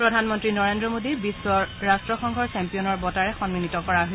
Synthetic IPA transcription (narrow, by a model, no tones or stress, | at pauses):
pɹɔdʱanmɔntɹinɔɹendɹɔmodibisːɔɹastɹɔxɔŋɡʱɔɹsɛmpiɔnɔɹbɔtaɹɛxɔnminitɔkɔɹaɦo